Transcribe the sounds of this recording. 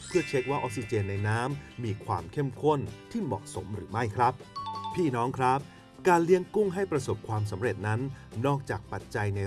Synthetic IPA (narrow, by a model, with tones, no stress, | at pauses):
pʰɯ˥˩ɐt͡ɕʰe˦˥k̚waː˥˩ʔoː˧si˧t͡ɕeː˧nːa˧jnaː˦˥mːiː˧kʰwa̰ː˧mkʰe˥˩mkʰo˥˩nt̪ʰiː˥˩mɔ̰ː˨˩k̚so˩˦mɾɯ̰ː˩˦ma˥˩jkʰɾa˦˥p̚pʰiː˥˩nɔː˦˥ŋkʰɾa˦˥p̚ | kaː˧nli˦˥əŋku˥˩ŋɦa˥˩jpɾa˧so˨˩p̚kʰwaː˧ms̬a˩˦mɾe˨˩t̪̚na˦˥nːɔː˥˩k̚t͡ɕaː˨˩k̚pa˨˩t̪̚t͡ɕa˧jne˧